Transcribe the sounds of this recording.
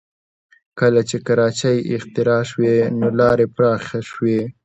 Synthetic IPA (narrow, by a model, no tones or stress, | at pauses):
kəlat͡ʃekaɾɑt͡ʃajɪ̰xt̪ɪɾɑʃwenolɑɾepɾɑxaʃwe